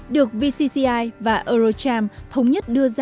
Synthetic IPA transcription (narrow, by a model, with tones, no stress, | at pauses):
ɗɨ˨˩ək̚vi˧si˧si˧ʔaː˧jvaː˨˩ʔə˧ɾo˧t͡ɕaː˧mt̪ʰə˨˦wŋ͡mɲə˦˥t̚ɗɨ˧əza˧